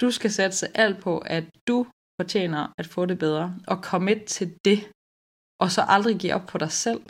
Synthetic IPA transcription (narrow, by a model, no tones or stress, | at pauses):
d̥usɡ̥æsæd̥ə̥sɑ̈ɪʔæl̰d̥̚pʰɒ̽ʔæd̥u | fɒt͡ɕʰḛːnɐæd̥fɔ̰̽ːde̝b̥eð̞ˠʁɐʔɒ̽kʰɒ̽me̝dt͡sʰe̝ld̥e̝ | ʔɒ̽sɒ̽ʔɑ̈ld̥ʁiɡ̥ḭːɒ̽b̥̚pʰɒ̽ɾ̥ɑ̈ɪsel̰